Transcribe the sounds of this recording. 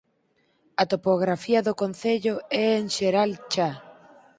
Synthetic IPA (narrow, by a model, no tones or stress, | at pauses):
ɐt̪opoɣ̞ɾafiɐðʊkon̟θeʎʊɛeŋʃeɾalt͡ʃa